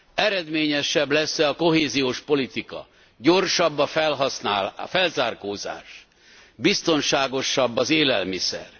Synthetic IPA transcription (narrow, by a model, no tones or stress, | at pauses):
ɛɾɛd̪meːɲɛʃɛblɛsːɛɒko̞ɦeːzijoːʃpo̞lit̪ikɒ̰ | ɟo̞rʃɒbːɒfɛlɦɒsnaːlfɛlzaːrkoːza̰ːʃ | bist̪o̞nʃaːɡo̞ʃːɒbːɒzeːlɛlmisɛ̰r